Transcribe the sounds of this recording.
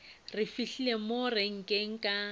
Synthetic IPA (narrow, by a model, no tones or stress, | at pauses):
rɪfiɬilemoreŋ̩kʼeŋ̩kʼa